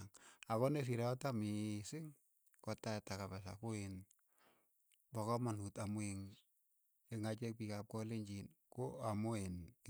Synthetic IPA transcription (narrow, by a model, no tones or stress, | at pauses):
ŋakɔnes̬iɾaɔtamisɪŋ | kɔtatakapas̬a̰koen | bakɔmanutamweŋ | eŋat͡ʃɛk̚pikap̚kɔleɲt͡ʃinkoamoen